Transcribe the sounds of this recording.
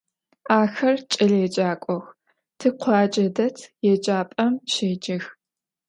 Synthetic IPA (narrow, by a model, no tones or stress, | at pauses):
aːxɐrt͡ʃʼɐɮjɛd͡ʒʼaːkʷʼɔx | tʰɨqʷʰɑːd͡ʒɐdɐtʰjɛd͡ʒʼaːpʼɐmʃeːd͡ʒɐx